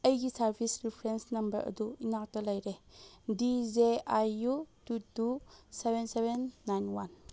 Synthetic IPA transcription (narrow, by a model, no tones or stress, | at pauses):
ɐjɡisɐɾbʰʱisɾipʰɾensnɐmbɐ̰ɾɐ̰duinak̚tɐlɐjɾedizeajututusebʱensebʱenːajnwan